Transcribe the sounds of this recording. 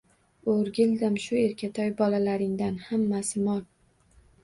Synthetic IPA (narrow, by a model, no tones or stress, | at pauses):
oɾɡʲɪld̪ɪmʃʊeɾkʲʰat̪ʰɒjbɒlalaɾɪŋd̪anhamːasɪmɒl